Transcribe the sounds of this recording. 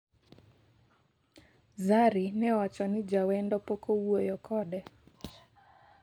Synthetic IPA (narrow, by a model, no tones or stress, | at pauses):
zaɾinɛwat͡ʃɔnid͡ʒawɛndɔpɔkɔuɔjɔkʰɔɗɛ